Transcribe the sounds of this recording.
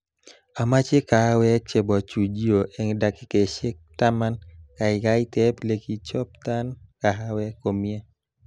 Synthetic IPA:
a˨ma˦t͡ʃe˦ka˨a˦wɛ˦k̚t͡ʃe˨bɔ˨t͡ʃu˨d͡ʒi˦o˨ʔɛ˨ŋda˨kɪ˦ke˨ʃe˦k̚ta˦ma˦nka˨ɪ˨ɡa˦ɪ˦tɛ˦ple˨ki˦t͡ʃɔ˦p̚ta˦nka˨ɦa˦wɛ˦ko˨mje˦

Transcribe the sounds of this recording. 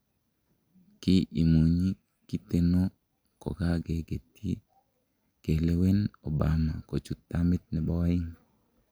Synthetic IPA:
kɪ˦ʔi˨mu˨ɲi˦ | ki˦t̪e˦no˦ | kɔ̰˨ɡa˦ɡe˨ɡe˨t̪i˦ | ke˨le˦we˦no˨ba˨ma˨ko˨t͡ʃu˨t̪ːa˦mɪ˦t̪̚nɛ˨bɔ˦ɪ˦ŋ

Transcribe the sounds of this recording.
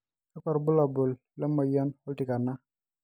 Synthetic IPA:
a˦kɔ˨ɾbʊ˦la˨bʊ˨lːɛ˦ma˨ja˦nɔ˦lti˨ka˨nːa˦

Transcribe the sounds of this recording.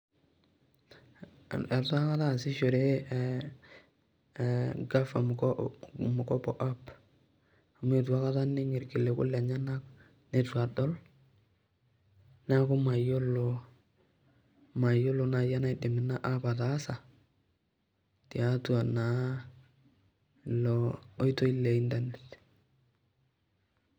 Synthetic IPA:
ɛ˨twa˦ka˦ta˦˨sɪ˦ʃo˨ɾe˦ | ɡa˦fa˨m˨k | mʊ˨kɔ˦pɔ˨ʔa˦p | a˨m˦e˨t̬a˦ka˦ta˦nɪ˦ŋɪ˨ɾkɪ˨le˨kʊ̰˦la˨ɲa˦na˦k | ne˨twa˨dɔ˦l | na˦kʊ˦ma˨jo˦lo˨ | ma˨jo˦lo˨na˨ja˦na˦i˦dɪ˨mɪ˨na˦ʔa˦pa˨taː˨˦sa˨ | ti˨a˨˦twa˨na˨ | lɔː˨˦i˦to˦i˦le˨i˦nda˦nɛ˨t

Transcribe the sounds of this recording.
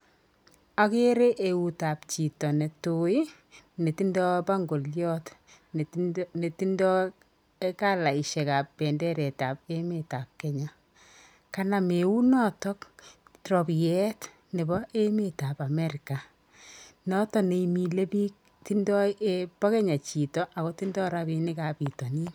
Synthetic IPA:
a˨ke˦ɾe˦ʔe˨u˨ta˨pt͡ʃi˨tɔ˨ne˨to˨i˦ | ne˨ti˦ndɔ˦ba˦ŋɡo˨ljɔ˦t | ne˨ti˦ndɔ˦ | eka˦la˨i˨ʃɛ˨ka˨pːɛ˨ndɛ˦ɾɛ˨ta˨pe˦me˨ta˨p̚kɛ˨ɲa˨ | ka˦na˨me˨wu˦nɔ˦tɔ˦ktɾɔ˨bjɛ˦t | ne˨bɔ˦ʔe˦me˦ta˨pa˨mɛ˦ɾi˨ka˨ | nɔ˦tɔ˦ne˨imi˨le˦bi˦k̚ | ti˦ndɔ˦e˦pɔ˦kɛ˦ɲa˨t͡ʃi˨tɔ˦ʔa˨kɔ˦ti˦ndɔ˦ɾa˦bi˦nɪ˦ka˨pi˨tɔ˨ni˦n

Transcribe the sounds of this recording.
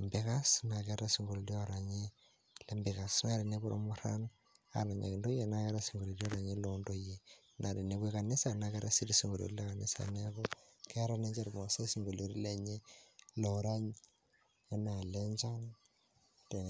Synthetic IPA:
mbɪ˨ka˦sna˨kɛ˦ɾa˦si˨ŋɡo˨ldi˦o˦ɾa˨ɲe˦ | le˦mbi˨ka˨sna˦ɾi˨ne˦bu˦ɾʔo̰˦mu˦ɾa̰˦n | a̰˨na˨ɲa̰˨ki˨ndo˦je˦˨na˨kɛ˦ɾa˦si˨ŋɡo˨ɾi˨ɾi˦o˦ɾa˨ɲe˦lo˦ndo˦je˨ | nʔa˨ɾi˨ne˦kwi˦ka˨nɪ˦sa˨na˨kɛ˦ɾa˦si˦disi˦ŋɡo˨lo̰˨ɾle˦ka˨ni˦sa̰˨ne˦kɔ˦ke˦ɾa˦ne˦ɲd͡ʒa˦ɾma˨se˦si˨ŋɡo˨lo˨ɾi˦le˦ɲe˦lo˨ɾa˦ɲ | e˦na˨le˦ɲt͡ʃa˦n | te˨

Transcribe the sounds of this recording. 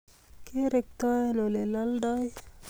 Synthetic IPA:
keɾe˨k̚t̪a˦eno˨le˨laldaj

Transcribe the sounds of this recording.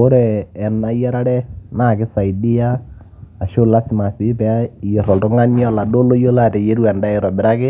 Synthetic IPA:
o˦ɾɛː˨na˨jɛ˦ɾa˦ɽɛ˦na˦˨kɪ˦sa˨idi˦jaː˦˨ | ʃo˦la˦sɪ˦ma˨fi˦pɛa˦˨jɛ˨ɾɔ˨ltɔ˦ŋa˦ni˦ɔ˦la˨do˦lo˦jo˦la˦tɛ˨je˦ɾu˦ɛ˨nda˦ɪ˨ɾɔ˨bɪ˨ɾa˦kɪ˦

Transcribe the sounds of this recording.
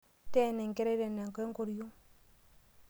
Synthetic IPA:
tɛ˦˨nɛ˨ŋkɛ˦ɾɛ˦ɾɛ˨nːɛ˨ŋ˨kɔ˦ŋko˨ɾju˦ŋ

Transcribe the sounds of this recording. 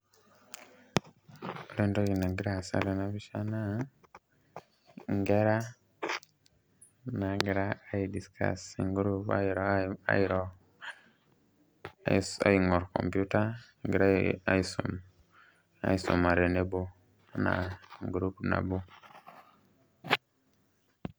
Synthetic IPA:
ɾe˦ndo˦ɡi˨na˨ɡi˦ɾa˦˨sa̰˦ɾe˨na˨bi˦ʃa˦na˦ | ŋɡe˦ɾa˦ | na˨ɡi˨ɾaː˦idi˨skʰa̰˨si˨ŋɡuɾu˦paɾa̰˦jiɾo˦ | sa̰˨jŋɔ˨ɾko̰˨mpu˦ta˦ | ɡi˨ɾa˦a̰˦jsṵm | a̰˦isṵ˨ma˨ɾe˨ne˦bo˦ | na̰˨ŋɡu˨ɾu˦pna̰˨bu˦

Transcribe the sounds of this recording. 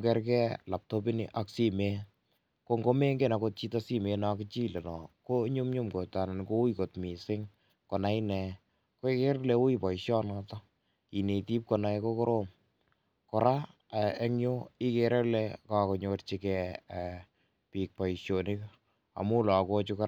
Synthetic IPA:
kɛ˦ɾkɛ˦la˨p̚to˦pi˦nḭʔa˦ksi˦me˦ | ko˦ŋɡo˦me˦ŋɡe˦˨na˨ko˦t̚t͡ʃi˦tɔ˦si˦me˧na˦kɪt͡ʃi˦le˨nɔ˨ko˦ɲu˦mɲʊ˦mko˨ta˨na˨nko˦u˦iko˨tmi˨sɪ˦ŋ | kɔ˨na˦i˦nɛ˨ | ko˦i˦ke˦ɾle˦u˦i˦pɔ˨iʃjɔ˦nɔtɔ˦ | ki˨ne˨ti˦p̚kɔ˨na˦ɛko˦ko˦ɾo˦m | kɔ˨ɾa˦ | ɛ˦ŋjo˦i˦ke˨ɾe˦lɛ˦ka˦kɔ˨ɲott͡ʃi˦kɛ˨ | pi˨k̚pɔ˨i˨ʃjo˨nɪ˦k | a̰˨mu˦lɔ˨ko˦t͡ʃu˦kɔ˦ɾ

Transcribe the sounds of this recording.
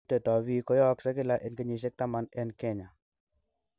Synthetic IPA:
te˨tɔ˨βi˦kɔ˦jɔ˦ksa˦kɪ˦la˦ʔɛ˨nkə˦ɲi˨ʃ̬ɛ˦k̚ta˦ma˨nɛ˦nkɛ˦˨ɲa˨

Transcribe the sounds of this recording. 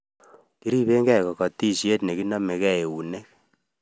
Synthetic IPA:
ki˦ɾi˦be˦ŋɡɛ˦kɔ˨kɔ˨ti˦ʃe˦tne˨ki˦nɔ˦mɛ˨kɛ˦e˨u˨ne˦k̚

